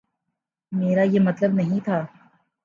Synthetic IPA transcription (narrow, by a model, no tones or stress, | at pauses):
meːɾajemɐt̪ləbnɐɦĩt̪ʰaː